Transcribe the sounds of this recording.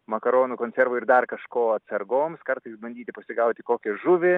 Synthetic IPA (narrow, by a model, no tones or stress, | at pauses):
mɐkɐɾoːnuːkoːnʲsʲɛɾʋʊɪɾd̪ɐrkɐʃkoːɐt̪sɐrɡoːmskɐrt̪ɐɪsbɐnʲd̪ʲiːt̪ʲɪpɐsʲɪɡɐʊt̪ʲɪkoːkʲɛʒʊʋʲɪ